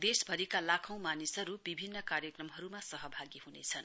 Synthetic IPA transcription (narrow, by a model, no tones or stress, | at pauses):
d̪esbʱʌɾikalakʰʌw̃manisʌɾubibʱinːʌkarjʌkrʌmɦʌɾumasʌɦʌbʱaɡiɦunḛt͡sʰʌn